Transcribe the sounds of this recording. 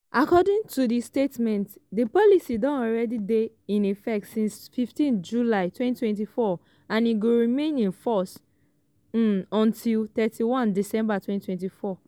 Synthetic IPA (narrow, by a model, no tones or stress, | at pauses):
ʔakɔdĩŋtʰudistetmɛ̃ntdipɔlisidɔ̃nɔlɹɛdide | ĩnifɛk̚tsĩnsfiftĩnd͡ʒulaɪtwɛ̃nttwɛ̃nt̬ifɔ | ãniɡoɹimẽnĩnfɔs̩ | ɔ̃ntʰiltɛtʰiwɔ̃ndisɛ̃mbatwɛ̃ntʰwɛ̃ntifɔ